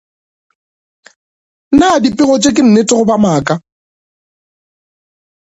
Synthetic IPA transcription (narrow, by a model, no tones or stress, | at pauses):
nadipʼɪɣɔt͡ʃʼekʼɪn̩nɪtʼɪɣʊbamaːkʼa